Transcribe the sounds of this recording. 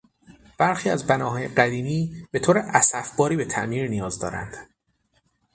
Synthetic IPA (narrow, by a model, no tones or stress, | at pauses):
b̥æɾxiːæzbænɒːɦɒːjeɢæd̪iːmiːb̥e̞t̪ʰoːɾeʔæsæfb̥ɒːɾiːbe̞t̪ʰæ̰ʔmiːɾnijɒːzd̪ɒ̰ːɾæ̰nd̪̥